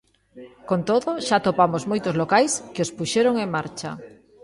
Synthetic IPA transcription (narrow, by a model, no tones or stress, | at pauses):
kont̪oðoʃat̪opamozmojt̪ozlokajskeospuʃeɾoŋeŋmaɾt͡ʃa̰